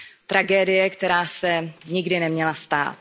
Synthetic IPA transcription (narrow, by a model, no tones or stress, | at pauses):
t̪ɾʔaɡɛːdɪjɛkt̪ɛɾaːsɛɲɪɡdɪnɛmɲɛlast̪a̰ːt̪